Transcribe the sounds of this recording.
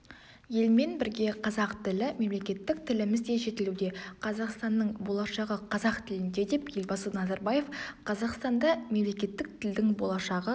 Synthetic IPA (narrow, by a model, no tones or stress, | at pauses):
je̞lme̞nbɪɾɡʲe̞qʰɑzɑqt̪ɪlɪme̞mle̞kʲe̞t̪ːɪk̚t̪ʰɪlɪmɪzd̪e̞ʒe̞t̪ɪlud̪e̞qʰɑzɑqst̪ɑnːəɴbo̞lˠɑʃɑʁəqʰɑzɑqt̪ʰɪlɪnd̪e̞d̪e̞pje̞lbɑsənɑzɑɾbɑje̞fqʰɑzɑqst̪ɑnd̪ɑme̞mle̞kʲe̞t̪ːɪk̚t̪ʰɪld̪ɪŋbo̞lˠɑʃɑʁə